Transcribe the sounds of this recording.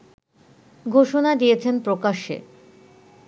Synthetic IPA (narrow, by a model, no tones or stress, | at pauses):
ɡʱoʃonad̪ijet͡ɕʰenpɾokaʃḛ